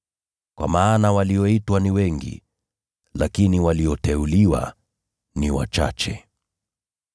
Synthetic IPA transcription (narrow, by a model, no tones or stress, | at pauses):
kwʔa̰maːnawaliɔitwaniwɛŋɡḭ | lakiniwaliɔtɛuliwa̰ | niwa̰t͡ʃa̰t͡ʃɛ̰